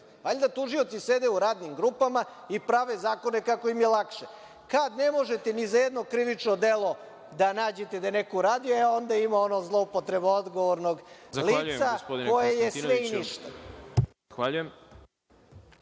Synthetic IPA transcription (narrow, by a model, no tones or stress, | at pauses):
aʎd̪at̪uʒio̞t̪sise̞d̪e̞uɾaːd̪nimɡɾuːpama | ipɾaʋe̞zaːko̞ne̞kako̞imjelˠakʃe | kad̪ne̞mo̞ʒet̪enizajed̪no̞kɾiʋit͡ʃno̞d̪elˠo̞ | d̪anaːd͡ʑe̞t̪e̞d̪anekoɾaːd̪ieo̞nd̪aimaonozlˠo̞upo̞t̪ɾe̞bood̪ɡo̞ʋoɾno̞ɡzaliʎusaspod̪iko̞jejesʋeiniʃt̪azaxʋaːʎujem